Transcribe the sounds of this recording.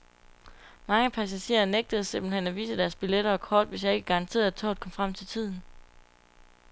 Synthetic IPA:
mɑ̈ŋəpʰæsæɕe̝̰ːɐneɡ̥̚d̥əð̞̩ˠse̝mb̥l̩henæʋḭːsəd̥æɐsb̥ileɾɐɒkʰɒːd̥ʋe̝sjɑ̈eɡ̥əɡ̥ɑ̈ʁɑ̈nt͡sʰe̝̰ːɐæt͡sʰɔ̰ːd̥̚ˠkʰɒ̽mfʁam̰t͡sʰe̝lt͡sʰið̞̰ˠn̩

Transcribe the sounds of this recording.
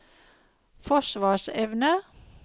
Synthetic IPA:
fɔʃʋɑːʃɛʋnə

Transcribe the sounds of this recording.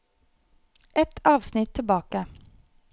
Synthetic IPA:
ʔɛt̪ʰɑːʋsnɪt̪ʰːɪlbɑːkə

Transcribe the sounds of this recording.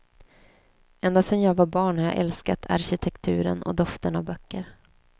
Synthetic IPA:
ɛnd̪asɛnjɑːɡvabɑːɳhaja̰ːʔɛlskat̪ʰa̰ɾɕɪt̪ʰɛkt̪ʰʉ̟ːɾə̰nɔ̰d̪ɔft̪ənavbœkːəɾ

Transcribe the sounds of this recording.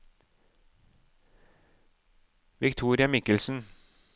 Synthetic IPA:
ʋɪkt̪ʰuːɾɪɑmɪkəlsn̩

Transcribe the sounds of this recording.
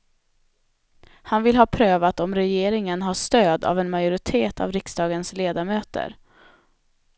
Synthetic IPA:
hanvɪlɦɑːpʰɾøːvat̪ɔmɾɛjeːɾɪŋənɦaʂt̪øːd̪a̰vɛnmajʊɾɪt̪ʰeːt̪ʰa̰vɾɪksd̪ɑːɡənsleːd̪aɾmøːt̪ə̰ɾ

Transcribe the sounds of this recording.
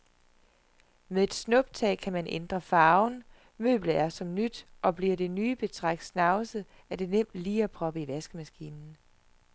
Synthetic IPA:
meðˠe̝d̥snɔ̽b̥̚t͡sʰɛ̰ːkʰæmænʔend̥ʁɐfɑ̈ːʊn | mø̰ːb̥ləæɐsɒ̽mnyd̥ʔɒ̽b̥liɐ̰d̥e̝nyːb̥e̝t͡sʰʁaɡ̥̚d̥snɑ̈ʊsə | ʔæd̥e̝nem̰d̥liːæpʰʁɒ̽b̥əiʋæsɡ̥əmæsɡ̥iːnn̩

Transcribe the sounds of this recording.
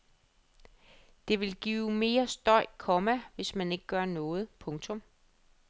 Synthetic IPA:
d̥e̝ʋe̝lɡ̥iːʊʊme̝ːɐsd̥ɒ̽ɪ̰kʰɒ̽mæʋe̝smæne̝ɡ̥əɡ̥ɶɐnɔ̽ːð̞̩ˠpʰɔ̽ŋt͡sʰɔ̽m

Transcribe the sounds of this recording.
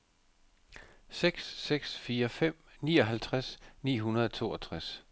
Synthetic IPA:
seɡ̥sːeɡ̥sfiːɐfem̰nḭːɒ̽ɦælt͡sʰʁasnḭːɦunɐðˠɒt͡sʰo̝̰ːɒt͡sʰʁas

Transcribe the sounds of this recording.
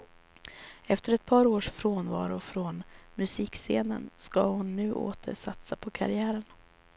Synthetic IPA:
ɛft̪əɾɛt̪̚pʰɑːɾoːʂfɾoːnvɑːɾʊfɾɔnmɵsiːkseːnə̰nskahʊnːʉ̟ːʔo̰ːt̪ʰə̰ʂat̪sapʰɔkʰa̰ɾɪæːɾən

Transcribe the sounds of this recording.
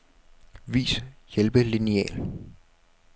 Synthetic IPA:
ʋḭːsjelb̥əliniɛ̰ːl

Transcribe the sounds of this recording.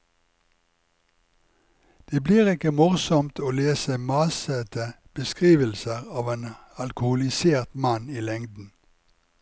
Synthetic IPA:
d̪̥eːbliːʁɪkəmʊʁsɔmt̪ʰoːleːsəmɑsət̪ə | b̥əskʁiːʋəlsəʁɑːʋeːn | ɑlkʊhʊlɪseːʁt̪mɑniːlɛŋd̪n̩

